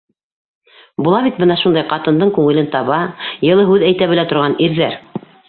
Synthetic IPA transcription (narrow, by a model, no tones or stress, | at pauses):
bulˠɑβit̪̚bɤnɑʃund̪ɑjqɑt̪ɤ̆nd̪ɤɴkʉŋɘ̆lɘnt̪ɑβɑjɤ̆lˠɤɦʉðæjt̪æβɘlæt̪ŏɾʁɑniɾðæɾ